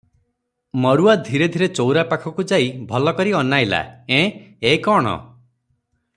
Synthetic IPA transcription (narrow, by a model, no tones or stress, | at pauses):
mɔɾuad̪ʱiɾed̪ʱiɾet͡ʃowɾapakʰɔkud͡ʒaibʱɔlɔkɔɾiɔnajla̰ẽekɔɽ̃ɔ̰